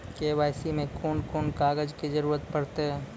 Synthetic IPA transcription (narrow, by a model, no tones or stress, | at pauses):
keːʋaːjsimẽkoːnkoːnkaːɡəd͡ʒkid͡ʒɐɾuːɾət̪pɐɽt̪eɦɛ̃ː